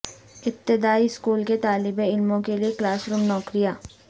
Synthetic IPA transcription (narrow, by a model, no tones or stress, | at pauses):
ɪp̚t̪ɪd̪aːiskuːlket̪aːlɪbeɪlmõkelieklaːsɾuːmnɔːkɾɪjaː